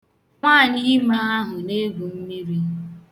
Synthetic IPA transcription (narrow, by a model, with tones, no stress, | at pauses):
ŋʷaː˦˨ɲi˦ma˦a˦ɦʊ˨ne˦ɡu˨m̩˦mi˦ɾi˦